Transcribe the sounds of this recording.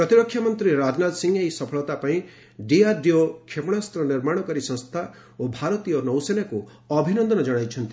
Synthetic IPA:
pɾɔt̪iɾɔkʰːjamɔnt̪ɾiɾad͡ʒnad̪siŋejsɔpʰɔɭɔt̪apaĩ | ɖiaɖiokʰepɔɽ̃ast̪ɾɔniɾmaɽ̃ɔkɔɾisɔ̃st̪ʰa | obʱaɾɔt̪ijɔnɔwsenaku | ɔbʱinɔnd̪ɔnɔd͡ʒɔɽ̃ajt͡ʃʰɔnt̪i

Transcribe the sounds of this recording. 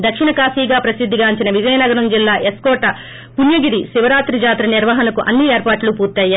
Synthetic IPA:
d̪ɐkʂiɳɐkaːsiːɡaːpɾɐsid̪ʱːiɡaːɲt͡ʃinɐʋid͡ʒɐjɐnɐɡɐɾɐmd͡ʒilːaːʔeskɔːʈɐ | punjɐɡiɾiʃiʋɐɾaːt̪ɾid͡ʒaːt̪ɾɐniɾʋɐɦɐnɐkuʔɐnːieːɾpaːʈlupuːɾt̪ːaːja

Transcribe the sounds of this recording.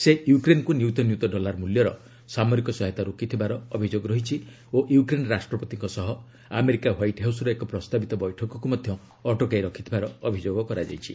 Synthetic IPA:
sejukɾenkunjut̪ɔnjut̪ɔɖɔlaɾmuljɔɾɔ̰ | samɔɾikɔsɔɦɔt̪aɾokit̪ʰibaɾɔɔbʱid͡ʒoɡɾɔɦit͡ʃʰi | oʔjukɾenɾasʈɾɔpɔt̪iŋkɔsɔɦɔ | a̰meɾikawajʈɦawsɾɔekɔpɾɔst̪abit̪ɔbɔjʈʰɔkɔkumɔd̪ʱjɔ | ɔʈokajɾɔkʰit̪ʰibaɾɔːbʱid͡ʒoɡɔkɔɾad͡ʒa̰jt͡ʃʰi

